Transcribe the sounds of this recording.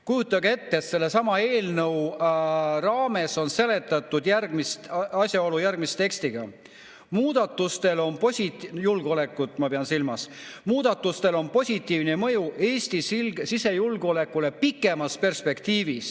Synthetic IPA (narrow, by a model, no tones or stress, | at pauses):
kujut̪ːˑɑɡee̞t̪ːeet̪se̞lːe̞sɑmɑe̞ːlnɤw | rɑːme̞so̞nse̞le̞t̪ːˑɑt̪ːˑud̪jærɡ̥mist̪ɑsʲjɑo̞lujærɡ̥mist̪e̞kst̪iɡ̥ɑ̰ | muːd̪̥ɑt̪ˑːust̪e̞lo̞npo̞sʲit̪julɡo̞le̞kːˑut̪ːˑmɑpeɑnsilmɑsmuːd̪̥ɑt̪ːˑust̪e̞lo̞npo̞sʲit̪ːˑiːvnemɤjuʔe̞ːsʲt̪isilɡsise̞julɡ̥o̞le̞kːˑule̞pikːˑe̞mɑspe̞rspe̞kt̪iːvis